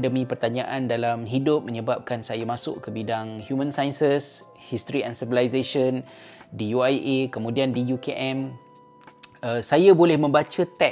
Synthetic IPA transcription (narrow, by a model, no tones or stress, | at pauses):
dəmĩpərt̪aɲãʔandalamɦidʊp̚mə̃ɲəbap̚kansajamãsʊ̰ʔkəbidaŋhjumə̃nsajnsəs | hist̪ɾiɛ̃nsivəlajsaʃəndijuajʔekəmũdiandijukeʔɛ̃m | əsajabolɛhmə̃mbat͡ʃat̪ɛ